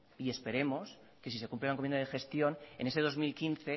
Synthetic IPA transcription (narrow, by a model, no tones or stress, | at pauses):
ie̞spe̞ɾe̞mos | ke̞sise̞kumplelaŋkomenaðexe̞st̪jo̞ne̞̰ne̞seð̞o̞zmilkinθe̞